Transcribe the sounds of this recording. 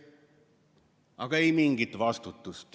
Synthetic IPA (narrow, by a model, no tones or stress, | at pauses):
ɑɡ̥ɑejmiŋɡit̪vɑst̪ut̪ːˑust̪